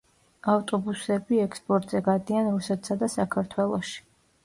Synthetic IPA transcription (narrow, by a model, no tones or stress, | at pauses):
aft̪ʼɔbusɛbiɛkspʼɔɾt̪ʼz̥ɛɡad̪ianɾusɛt̪ʰsad̪asakʰaɾt̪ʰwɛlˠɔʃi̥